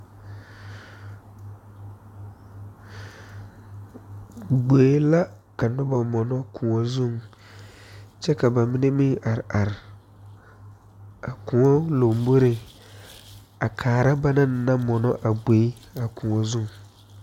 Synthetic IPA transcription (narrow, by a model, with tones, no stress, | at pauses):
ɡ͡beː˨˦la˦ | ka˨nʊ˦ba˨mɔ˨nɔ˦kʰũ˨ŋɔ˦zũ˦˨ŋ | t͡ʃɛ˦ka˨ba˨mi˦ne˦mĩ˦ʔa˨ɾa˨ɾ | a˨kũ˨ŋɔ˦lo˨m˦bo˦ɾe˨ | a˨kʰaː˨ɾa˦ba˦nã˦n˦nã˦mɔ˨nɔ˦ʔa˨ɡ͡be˨˦a˨kʰũ˨ŋɔ˦zũ˦˨ŋ